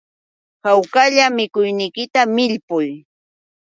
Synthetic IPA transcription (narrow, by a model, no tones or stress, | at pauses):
hawkaʎamɪkʊjnɪjkɪt̪amɪʎpʊj